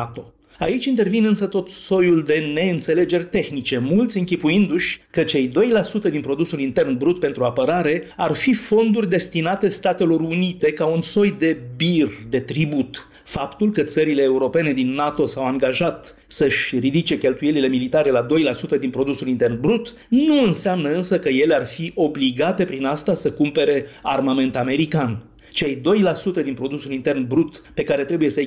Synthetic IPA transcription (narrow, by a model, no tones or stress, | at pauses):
at̪o̞ | ait͡ʃʲint̪e̞rvinɨnsət̪o̞t̪so̞juld̪e̞ne̞ɨnt̪se̞le̞d͡ʒe̞rʲt̪e̞xnit͡ʃe̞mult̪sʲɨŋkʲipuind̪uʃʲkət͡ʃe̞jd̪o̞jlasut̪əd̪inpɾo̞d̪usulint̪e̞rnbɾut̪̚pe̞nt̪ɾuapəɾaɾe̞arfifo̞nd̪urʲd̪e̞st̪inat̪e̞st̪at̪e̞lo̞ɾunit̪e̞kaunso̞jd̪e̞bird̪e̞t̪ɾibut̪ | fapt̪ulkət̪səɾile̞ːuɾo̞pe̞ne̞d̪inːat̪o̞sawaŋɡaʒat̪ | səʃʲrid̪it͡ʃe̞kʲe̞lt̪uje̞lile̞milit̪aɾe̞lad̪o̞jlasut̪əd̪inpɾo̞d̪usulint̪e̞rnbɾut̪ | nuɨnseamnəɨnsəkəje̞learfiʔo̞bliɡat̪e̞pɾinast̪asəkumpe̞ɾe̞armame̞nt̪ame̞ɾikan | t͡ʃe̞jd̪o̞jlasut̪əd̪inpɾo̞d̪usulint̪e̞rnbɾut̪pe̞kaɾe̞t̪ɾebuje̞sə